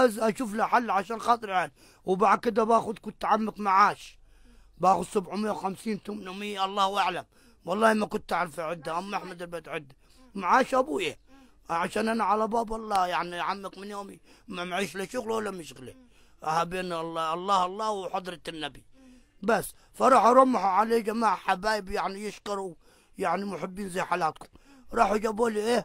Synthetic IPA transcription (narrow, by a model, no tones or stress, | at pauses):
azʔaʃuːflaħalːʕaʃaːnxɑːt̪ˤɨɾal | wbaʕd̪̚kɪd̪abaːxʊd̪kʊt̪ːʕamːakmaʕaːʃ | baːxʊd̪sʊbʕʊmɪjːawxamsiːnt̪ʊmnʊmijʔɑlˤːɑːhwʔaʕlam | wɑlˤːɑːhmakʊnt̪ːʔaʕɾɪfiʕɪd̪ːaʔamːaʔaħmad̪abat̪ʕɪd̪ːa | maʕaːʃʔabuːja | ʕaʃaːnʔanaʕalabaːbwɑlˤːɑːjaʕniaʕamːakmɪnjoːmimamʕiːʃlɪʃʊɣllːamɪʃɣlḭ | ʔahabeːnɑlːɑʔɑlˤːɑːhɑlˤːɑːwħɑd̪ˤɾt̪anːabi | basː | fɑɾˤɑːħɑɾˤʊmːaħuʕaleːd͡ʒamaːʕħabaːjɪbjaʕnijɪʃkɑɾˤuw | jaʕnimʊħɪbːiːnzajːħajaːt̪kʊ̥m | ɾˤɑːħad͡ʒaboliʔeː